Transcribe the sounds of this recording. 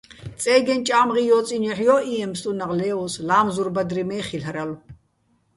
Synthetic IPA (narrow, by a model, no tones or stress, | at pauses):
t͡sʼɛːɡɛnt͡ʃʼaːmʁijɔːt͡sʼinɛħjɔːʔiɛmst̪ʼunaʁlɛːɔslaːmzuɾbad̪ɾimɛːχilhɾalu